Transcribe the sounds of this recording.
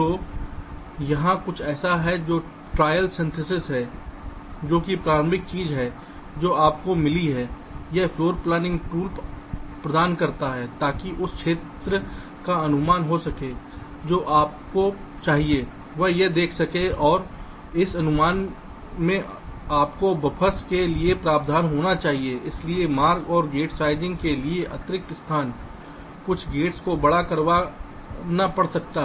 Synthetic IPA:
t̪oː | jɐɦãkʊt͡ʃʰɛːsaɦɛd͡ʒoː | ʈɾaːjəlsɐ̃nsɪsɪsɦɛ | d͡ʒoːkipɾaːɾəmɪk̚t͡ʃiːzɦɛː | d͡ʒoːaːp̚komɪliɦɛː | jɛɦfloːɾplɛːnɪ̃ŋɡʈuːlppɾɐd̪aːnkɐɾt̪aɦɛt̪aːkiʔʊskʰʃʰeːt̪ɾə | kaɐnʊmaːnɦosɐke | d͡ʒoːʔaːp̚kot͡ʃaːɦie | ʋɐɦjed̪eːkʰsɐkeɔːɾ | ɪsɐnʊmaːn | mẽ | aːpkobɐpʰəskeliepɾaːb̚d̪ʱaːnɦoːnat͡ʃaːɦieɪsliemaːɾɡɔːɾɡeːʈsaːɪd͡ʒɪ̃ŋɡkelieʔɐt̪ɾɪk̚t̪ɪst̪ʰaːn | kʊt͡ʃʰɡeːʈskobɐɽakɐɾʋa | napɐɽsɐk̚t̪aɦ

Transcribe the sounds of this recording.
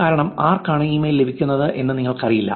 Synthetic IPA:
kaːɾɐɳɐmaːrkaːɳɐjiːmɐjlːe̞bʱikʲːunːɐðɨʔe̞nːɨniŋːɐɭkɐrijilːɐ̰

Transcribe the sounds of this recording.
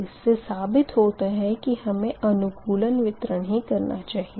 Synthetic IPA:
ɪsːesaːbɪt̪ɦoːt̪aɦɛ̃kihɐmẽɐnʊkuːlənʋɪt̪ɾəɽ̃ɦikɐɾnat͡ʃaːɦi

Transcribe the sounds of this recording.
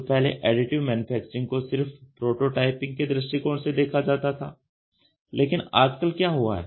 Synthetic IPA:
pɛɦlḛʔɛːɖɪʈɪʋmɛːnʊpʰɛːk̚t͡ʃəɾɪ̃ŋɡkosɪɾfpɾoːʈoʈaːɪpɪ̃ŋɡ̚ked̪ɾɪʃʈikoːɳsed̪eːkʰad͡ʒaːt̪at̪ʰa̰ː | lʔeːkɪnaːd͡ʒkəlkjaːɦua̰ɦɛ̰ː

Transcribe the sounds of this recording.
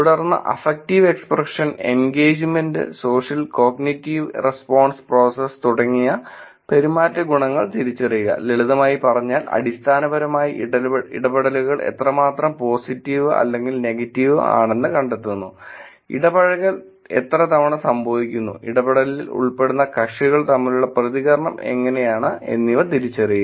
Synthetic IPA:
uɽɐrnːɐ̰ʔɐfek̚tiʋe̞ksprɐʂɐnḛnɡeːd͡ʑmendɨ̰so̞ːʂjɐlko̞ːɡnitːiʋrespo̞ːɳspro̞ːsest̪uɽɐŋːijɐ | pe̞ɾumaːtːɐɡuɳɐŋːɐɭt̪iɾit͡ɕːɐrijuɣɐ̰leɭuðɐmaːjipɐrɐɲːaːlɐ̰ɽist̪ʰaːnɐbɐɾɐmaːjiɐḭɽɐbɐɽɐluɣɐɭʔḛt̪rɐmaːt̪rɐmpo̞ːsitːiʋɨʔɐ̰lːe̞ŋɡilne̞ɡɐtːiʋɨ̰a̰ːɳe̞nːɨkɐɳɖe̞t̪ːunːu | ḭɽɐbɐɽɐɣɐɭ | e̞t̪rɐt̪ɐʋɐɳɨsɐmbʱoʋikʲːunːṵiɽɐbɐɽɐlilṵɭpe̞ɽunːɐkɐʂiɣɐɭt̪ɐmːiluɭːɐprɐðiɣɐɾɐɳɐme̞̰ŋːɐne̞jaːɳɨe̞̰nːiʋɐrt̪iɾit͡ɕːɐriju

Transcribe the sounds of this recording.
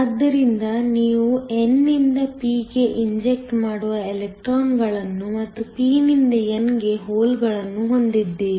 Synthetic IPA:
ɐd̪ːɐɾind̪ɐniːʋuenːind̪ɐpiːɡe̞ʔiɲd͡ʒek̚ʈmaːɽuʋɐelek̚ʈɾaːnɡɐɭɐnːumɐt̪ːupiːnind̪ɐenɡe̞ɦoːlɡɐɭɐnːuɦo̞nd̪id̪ːeːʋi

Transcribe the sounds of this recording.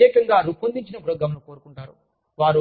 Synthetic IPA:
jeːkɐŋɡaːɾupond̪iɲt͡ʃinɐpuɾoːɡɐmɐlɐko̞ːɾukuɳʈaːɾṵ | ʋaːɾu

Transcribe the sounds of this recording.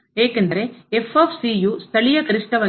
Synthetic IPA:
eːkːɐnd̪ɐɾeɛfɐfsijuːst̪ɐɭɪjɐkɐɾɪʂʈɐʋɐ

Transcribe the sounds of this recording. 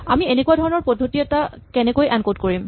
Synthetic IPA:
amienekuadʱɔɹɔnɔɹpɔdʱotiɛta | kɛnɛkojʔankotkoɹim

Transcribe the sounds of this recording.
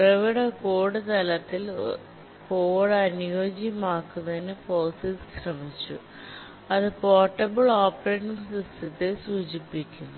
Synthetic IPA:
prɐʋiɽɐkoːɽɨt̪ɐlɐt̪ːil | koːɽɐnujoːd͡ʑijɐmaːkːunːɐðinɨfoːsisɕrɐmit͡ɕːṵ | ɐðɨpoːrʈːɐbɐɭoːpreːʈːiŋdist̪ʰit̪ːɨsuːd͡ʑipːikʲːunːu

